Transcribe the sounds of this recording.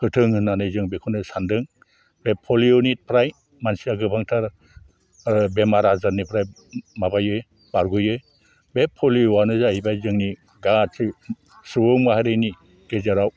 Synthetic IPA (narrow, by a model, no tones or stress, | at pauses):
kɯtʰɯŋhɯnːanɯjzɯŋbekʰunɯsandɯŋ | bepʰːɔlionit̚pʰɾaj | mansiaɡɯbaŋtʰaɾ | bemaɾazaɾnipʰɾaj | mabajɯj | baɾɡujɯj | bepʰːɔliwanɯzahibajzɯŋni | ɡatʰɯ | sɯwɯŋmaɦaɾɯjni | ɡ̥ezaɾaw